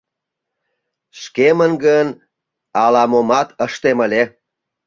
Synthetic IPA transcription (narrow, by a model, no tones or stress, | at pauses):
ʃkemənɡən | ɑlɑmomɑt̪əʃt̪emə̆le